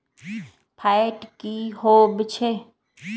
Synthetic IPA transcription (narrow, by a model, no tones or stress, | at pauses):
pʰaʈkihoːbt͡ʃʰe